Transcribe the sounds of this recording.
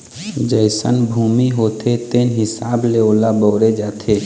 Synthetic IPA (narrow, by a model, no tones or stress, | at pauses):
d͡ʒəɪsə̰nbʱuːmiɦoːt̪ʰet̪eːnɦɪsaːbleoːlabɔːɾed͡ʒaːt̪ʰeː